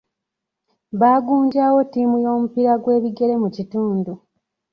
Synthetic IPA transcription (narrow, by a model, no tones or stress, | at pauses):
βaːɡuːɲɟaːwo̞tːiːmujo̞ːmupiɾaɡwe̞ːβiɡe̞ɾe̞mucituːndu